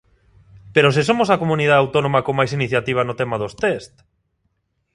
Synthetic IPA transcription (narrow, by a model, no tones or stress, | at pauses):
peɾosesomosakomũniðaðawt̪onõmakomajsiniθjat̪iβ̞anot̪ɛmaðost̪est̪